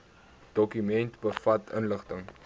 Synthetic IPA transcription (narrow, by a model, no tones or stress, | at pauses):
d̥ɔkymɛntbəfɐtənləχtəŋ